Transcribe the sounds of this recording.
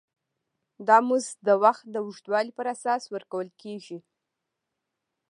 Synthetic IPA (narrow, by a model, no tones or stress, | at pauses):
d̪ɑmuzd̪əwaxt̪̚d̪əwuʒt̪wɑlipəɾasɑswəɾkawəlkeʒi